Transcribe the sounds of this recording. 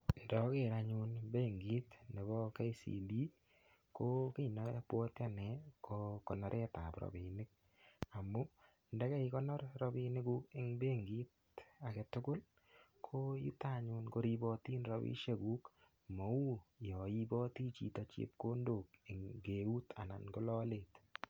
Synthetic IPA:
ndɔ˦ke˦˨ɾa˨ɲʊ˦nbe˦˨ŋɡi˦tne˨bɔ˦ke˦i˦sḭ˨li˦ | ko˦ki˦nɔ˦pwɔ˦tja˦nɛ˨˦kokɔ˨nɔ˦ɾʔɛ˦ta̰˨pɾɔ̰˨bi˨nɪ˦k̚ | a˨mʊ˦ | ndɛ˦kɛ˦i˦kɔ˦nɔ˦ɾɾɔ˦bi˧nɪ˦ku˦kɪ˦ŋbe˦ŋɡi˦t | a˨ke˨tʊ˦kʊ˦l | kʰo˦jḭ˦ta˦ɲʊnko˦ɾibɔ˧ti˦nɾɔ˨bḭ˦ʃe˦ku˦k | mɔ˨u˦jɔ˨i˦bɔ˦ti˦t͡ʃḭ˨tɔ˨t͡ʃḭ˦p̚ko˦ndo˨kɪ˨ŋɡe˨u˦ta̰˨na̰˨nko˦lɔ˦let

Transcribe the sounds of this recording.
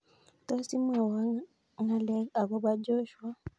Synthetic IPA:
ta˦si˦m˦a˨wa˦ | ŋa˦lɛ˦a˨kɔ˦ba˦d͡ʒɔ˦ʃwa˦

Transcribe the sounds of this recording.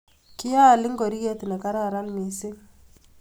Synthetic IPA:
kɪ˦a˦˨lɪ˦ŋɡo˨ɾi˦ɣe˦t̪nɛ˨ka˦ɾa˨ɾa˦nmi˨sɪ˦ŋ

